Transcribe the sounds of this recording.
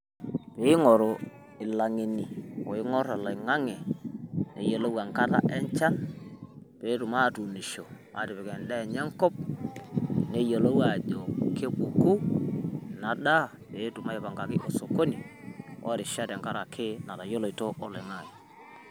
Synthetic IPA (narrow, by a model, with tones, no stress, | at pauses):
pe˨˦ɪ˦ŋɔ˨ɾo˨ | ɪ˨la˨ŋi˨ni˨o˨ɪ˦ŋɔ˦ɾa˨lo˨ɪ˨ŋa˦ŋɛ˨ne˨˦jo˨lo˦wa˨ŋka˦ɾa̰˦ʔɛ˦ɲt͡ʃa˦n | pe˨˦tu˨ma˦˨tu˨ni˨ʃo˨ma˨˦˨tɪ˨pɛ˨kɛ˨ndɛ˦˨ɲɛ˦ŋkɔ˦p̚ | ne˦jo˨lo˦wa˨d͡ʒo˨ke˦bu˨ku˦ | na˨ɗa˦ | pe˨˦tu˨ma˦i˨pa˨ŋɡa˨kɪ˦ʔo˨so˨ko˦ni˨ɔ̰˦ɾɪ˨ʃa˦tɛ˨ŋka˦ɾa˨kʰɪ˦na˨ta˨jo˦lo˨i˨to˦ʔɔ˨lɔ˨ŋa˨ji˨